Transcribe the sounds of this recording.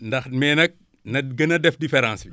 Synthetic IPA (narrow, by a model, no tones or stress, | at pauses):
ndɐxmɛːnɐk̚ | nɐɡɐnɐdɛfdifɛɾãːnsi